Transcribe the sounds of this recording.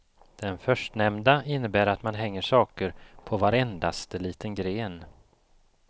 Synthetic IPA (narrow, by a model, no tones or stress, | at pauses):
d̪̥ɛnfœʂʈnɛmd̪aɪnːəbæːɾat̪manɦɛŋːəʂɑːkəɾpʰɔvaɾɛnd̪ast̪əliːt̪ənɡɾeːn